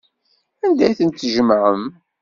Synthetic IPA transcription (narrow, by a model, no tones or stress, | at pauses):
ænd̪æjθənt̪ːʒəmʕəm